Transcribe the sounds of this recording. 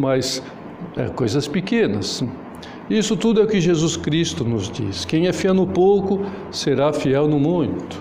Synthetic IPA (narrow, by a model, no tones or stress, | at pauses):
mɐs | ɛ̰kojzɐspikẽnɐ̰s | isʊt̪ud̪ʊɛʊkɪʒezuskɾist̪ʊnʊzd͡ʒḭskẽj̃ɛfiɛwnʊpowkʊ | seɾafiɛwnʊmũjt̪ʊ̥